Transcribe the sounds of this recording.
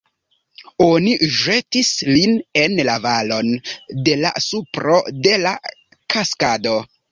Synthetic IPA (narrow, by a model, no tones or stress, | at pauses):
o̞niʒe̞tisline̞nlavalo̞nde̞la̰supɾo̞de̞la | kaskado̞